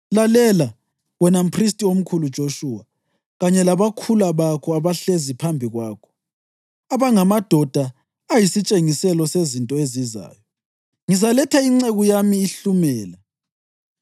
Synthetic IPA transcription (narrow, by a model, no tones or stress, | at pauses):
lalɛla | wɛnam̩pʰristʼiom̩kʰulud̥ʒ̥ʱoʃuːwa | ɣaɲɛlaβakʰulaβakʰɔaβaɬezipʰambʱiɣwaːkʰɔ̥ | aβaŋamad̥ʱɔd̥ʱaː | jisit͡ʃʼeŋisɛlɔsezintʼɔeziza̰ːjɔ | ŋizalɛtʰaiŋ͡ǀeɣujamiːɬumɛːla